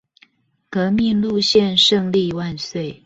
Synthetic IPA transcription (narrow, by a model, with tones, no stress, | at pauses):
kɤ˧˥mi˥˧nlu˥˧ɕjɛ˥˧˨nʂɤ˥˧ŋli˥˧wa˥˧nswe˥˩ɪ